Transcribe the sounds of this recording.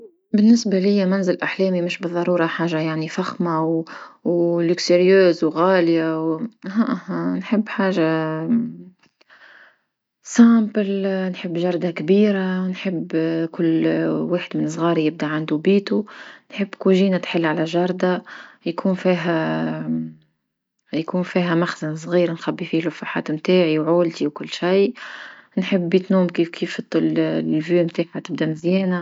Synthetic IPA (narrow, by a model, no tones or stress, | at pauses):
bɪnːɪsbalɪjːamænzɪlʔaħlɛːmimɪʃbɨðˤːɑɾˤuːɾˤɑħaːʒajaʕnifaxmawwlʊksɪɾjøːzwɣaːljawɦaʔhnħəbːħaːʒa | saːmpəlnħəbːʒɑɾˤd̪akbiːɾanħəbːkʊlːwaːħəd̪mɪnsˤɣɑːɾijɪb̚d̪aʕand̪ubiːt̪unħəbːkuʒiːnat̪ħɪlːʕalæʒɑɾˤd̪ajkʰuːnfiːɦæ | jkuːnfiːɦæmaxzans̬ˤɣiːɾnxæbːifiːlʊfːaħa̰ːt̪mt̪aːʕiwʕoːlt̪iwkʊlːʃaj | nħəbːit̪nuːmkiːfkʰiːft̪ːllvyːmt̪aːħhat̪ɪb̚d̪amɪzjɛːna